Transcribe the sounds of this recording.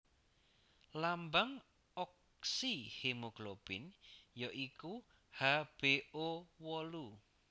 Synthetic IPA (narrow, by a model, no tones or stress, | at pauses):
lambaŋ | ɔk | sihemoɡ̥lob̥ɪnjɔʔiku | hab̥eʔowɔlu